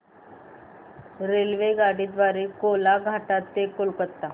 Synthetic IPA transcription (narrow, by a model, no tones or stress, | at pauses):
ɾelʋeɡaɽiːd̪ʋaɾekolaɡʱaʈat̪ːekolkət̪ːa